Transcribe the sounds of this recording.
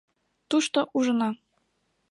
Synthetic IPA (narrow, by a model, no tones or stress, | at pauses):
t̪uʃt̪oʔuʒɤ̆nɑ